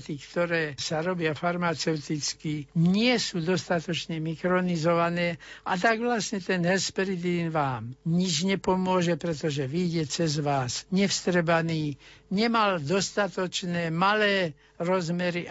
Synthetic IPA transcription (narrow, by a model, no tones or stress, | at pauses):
t̪ikt̪ɔɾɛːsaɾɔbɪafaɾmat͡sɛʊt̪it͡skiɲɪɛsuːd̪ɔst̪at̪ɔt͡ʃɲɛmikɾɔnizɔʋanɛːat̪̬aɡʋlasɲɛt̪ɛnɦɛspɾid̪iːnʋaːmɲid͡ʒɲɛpɔmʊɔʒɛpɾɛt̪ɔʒɛʋiːɟɛt͡sɛzʋaːsɲɛfst̪ɾɛbaniːɲɛmald̪ɔst̪at̪ɔt͡ʃnɛːmalɛː | ɾɔzmɛɾiʔ